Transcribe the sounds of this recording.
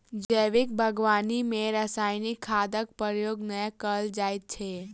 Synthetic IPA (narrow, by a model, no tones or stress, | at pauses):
d͡ʒəːʋɪk̚bʱəɡʋaːnimẽɾəsaːɪnɪkʰːaːd̪ək̚pəɾjoːɡnəjakəld͡ʒaːɪt̪̚t͡ʃʰeː